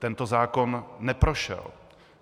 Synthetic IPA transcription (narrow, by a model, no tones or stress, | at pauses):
t̪ɛnt̪o̞zaːko̞nːɛpɾo̞ʃɛ̰l